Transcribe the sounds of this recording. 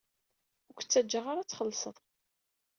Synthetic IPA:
ʊkʷt͡sːæd͡ʒːəʁaɾat͡sːχəlːsˤəðˤ

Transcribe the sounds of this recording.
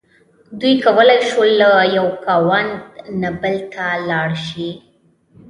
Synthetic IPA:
d̪ujkawəlajʃwəlːajawkawand̪nabəlt̪ʰalɑɽʃi

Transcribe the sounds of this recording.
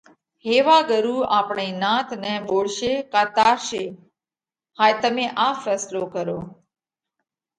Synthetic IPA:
ɦeːʋaːɡəɾuːʔaːpɳeːnãːt̪ʰnɛ̃ːɓoːɽʃeːkaːt̪aːɾʃeː | haːt̪əmẽːʔaːfɛːsloːkəɾoː

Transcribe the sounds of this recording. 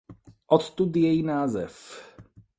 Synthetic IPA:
ʔɔt̪t̪ud̪jɛjinaːzɛf

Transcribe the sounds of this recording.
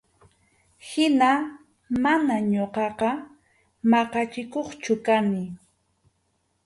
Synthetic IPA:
hɪna | manaɲoqɑqɑ | mɑqɑt͡ʃɪkoχt͡ʃʊkanɪ

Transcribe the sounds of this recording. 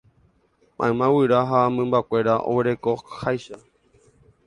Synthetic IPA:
mʔã̰jmãwɨɾaɦamɨ̃mbakʷe̞ɾaʔo̰weɾe̞ko̞hajʃa

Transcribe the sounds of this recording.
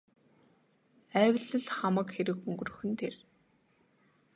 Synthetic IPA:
æːwʲɮə̆ɮχamə̆kxeɾɘ̆kɵŋɡɵ̆rɵ̆xɵ̆nt̪ʰer

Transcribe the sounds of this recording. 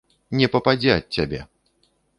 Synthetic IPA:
nʲɛpɐpad͡zʲɛɐt̚ʲt͡sʲːabʲɛ̰

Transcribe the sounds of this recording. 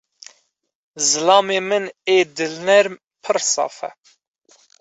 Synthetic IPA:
zɨlɑːmeːmɨneːd̪ɨlnɛɾ | pʰɨɾsɑ̰ːfɛ̰

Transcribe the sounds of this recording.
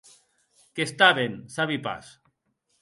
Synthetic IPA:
kest̪aβensaβipa̰s

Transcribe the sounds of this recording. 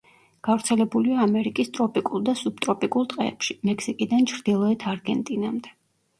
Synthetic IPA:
ɡ̥avɾt̪sʰɛlɛbuliaːmɛɾikʼist̪ʼɾɔpʼikʼulˠd̪asub̥̚t̪ʼɾɔpʼikʼulˠt̪ʼqʼɛ̰ːpʃimɛksikʼid̪ant͡ʃʰɾd̪ilˠɔɛt̪ʰaɾɡɛnt̪ʼinamd̪ɛ

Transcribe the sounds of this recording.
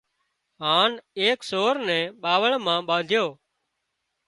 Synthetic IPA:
ɦaːneːksoːɾnɛ̃ːɓaːʋəɭmãːɓãːnd̪ʱjoː

